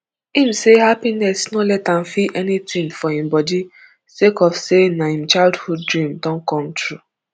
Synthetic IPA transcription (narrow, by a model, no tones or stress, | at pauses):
ĩm̩sehapinɛsnolɛtãmfiʔɛnitĩŋfɔhĩm̩bɔdi | sekɔfsenahĩm̩t͡ʃaɪldhud̚dɾĩmdɔ̃ŋ̩kɔ̃m̩tɾu